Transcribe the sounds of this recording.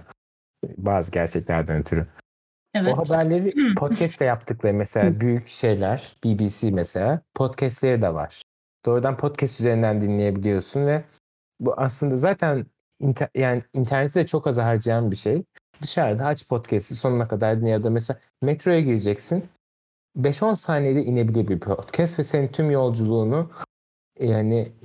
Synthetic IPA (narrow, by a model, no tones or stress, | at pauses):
baːzɯɟæɾt͡ʃʰɛclʲæ̰ɾd̪ænt̪ʰyɾy | oɦabæɾlʲe̞ɾipʰot̪cʰɛst̪ʰːɛjapt̪ʰɯklˠaɾɯmɛselʲaːbyjycʃe̞jlʲæɾ̥b̥ibiːsimɛse̞lʲaːpʰo̞t̪cʰɛst̪lʲe̞ɾid̪ɛva̰ɾ̥ | d̪̥o̞ːɾud̪anpʰo̞t̪cʰɛst̪yzeɾind̪ænd̪inlʲeje̞bilʲijo̞sunvɛ | buʔaslˠɯnd̪azaːt̪ʰæn | int̪ʰjaːnɪːnt̪ʰæɾnet̪ʰid̪ɛt͡ʃʰo̞kazaɦaɾd͡ʒajanbiʃej | d̪ɯʃaɾd̪aat͡ʃpʰo̞t̪cʰɛst̪iso̞nunakʰad̪aɾd̪injad̪amɛs̬elʲaː | mɛt̪ɾo̞jaɟiɾid͡ʒɛcsin | bɛʃo̞nsaːned̪ɛʔine̞bilʲiɾbiɾpʰot̪cʰɛst̪vɛsenint̪ʰymjo̞lˠd͡ʒulˠuːnu | jahanɪ